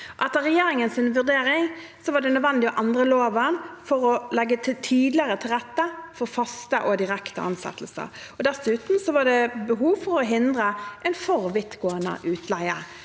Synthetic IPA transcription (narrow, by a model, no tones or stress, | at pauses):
ʔɛt̪ːəʁɛjeːɾɪŋənsɪnʋʉd̪eːɾɪŋ | sɔʋɑɖ̪ɛnœd̪ʋɛnd̪ɪɔʔɑnd̪ʁəloːʋənfɔʁɔlɛɡːət̪ʰɪt̪ʰiːd̪lɪəʁət̪ʰɪlʁɛt̪ːəfɔɾfɑst̪əʔɔd̪ɪʁɛkt̪ə̰ʔɑ̰nsɛ̰t̪ːəl̩sə̰ | ɔd̪ɛsʉːt̪n̩sɔʋɑɖɛbəɦuːʋfɔɾɔɦɪnd̪ʁəʔɛɪnfɔʁʋɪt̪ɡoːənə̰ʔʉːt̪ʰlæɪə̰